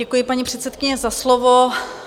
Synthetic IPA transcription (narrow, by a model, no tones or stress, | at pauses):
ɛkujɪpaɲipr̝̥ɛt̪sɛt̪kɪɲɛzaslovo